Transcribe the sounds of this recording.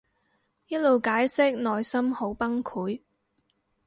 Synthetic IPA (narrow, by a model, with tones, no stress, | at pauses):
jɐ˥t̚lo˨˧wkaː˨˥jsɪ˥k̚nɔː˨jsɐ˥mho˨˥wpɐ˥ŋkʰuː˨˥j